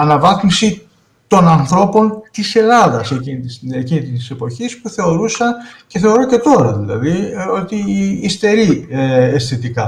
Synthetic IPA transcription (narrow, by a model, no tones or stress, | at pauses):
ɐnɐvɐθmisi | t̪o̞nɐnθɾo̞po̞nt̪ise̞lɐðɐsecinit̪isecinit̪it̪i̥se̞po̞çispuθe̞o̞ɾusɐnce̞θe̞o̞ɾo̞ce̞t̪o̞ɾɐðilɐ̰ðio̞t̪iːst̪e̞ɾieesθit̪ikɐ